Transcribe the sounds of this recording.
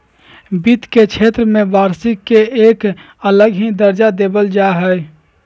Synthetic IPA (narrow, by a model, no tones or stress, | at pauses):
bit̪kekt͡ʃʰeːt̪ɾəmẽʋaːɾsɪkːeeːk | ələɡɦid̪əɾd͡ʒad̪eːbəld͡ʒaːɦɛɛ